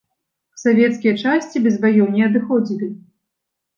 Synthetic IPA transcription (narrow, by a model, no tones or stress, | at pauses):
savʲɛt̪skʲijɐt͡ʂasʲt͡sʲibʲɛzvajɔwnʲɛɐd̪ɨxɔd͡zʲilʲi